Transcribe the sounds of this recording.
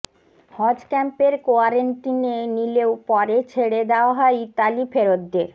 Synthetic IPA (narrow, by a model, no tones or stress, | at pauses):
hɔd͡ʑkɛmpeɾkoaɾeɳʈinenileopɔɾet͡ɕʰeɽed̪eoaɦɔet̪alifʰeɾod̪ːeɾ